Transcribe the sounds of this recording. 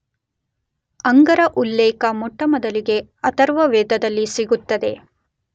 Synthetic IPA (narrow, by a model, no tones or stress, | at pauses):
ɐŋɡɐɾɐʔulːɛːkɐmɔʈːɐmɐd̪ɐliɡe̞ɐt̪ɐɾʋɐʋɛːd̪ɐd̪ɐlːisiɡut̪ːɐd̪e̞̰